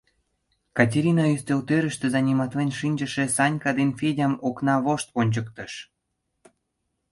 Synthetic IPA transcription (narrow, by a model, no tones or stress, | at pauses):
kɑtʲeɾʲinɑyst̪elt̪øɾə̆ʃt̪ĕzɑnʲimɑt̪βenʲʃinʲd͡ʑə̆ʃĕsɑnʲkɑd̪enfedʲɑmoknɑβoʃt̪̚ponʲt͡ɕə̆kt̪ə̆ʃ